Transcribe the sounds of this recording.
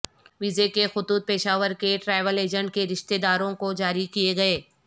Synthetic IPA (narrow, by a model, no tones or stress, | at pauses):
ʋɪzekexʊt̪uːt̪̚peːʃaːʋəɾkeʈɾaːɪʋəleːd͡ʒə̃ɳʈ̚keɾɪʃt̪ed̪aːɾõkod͡ʒaːɾikieɡɐeː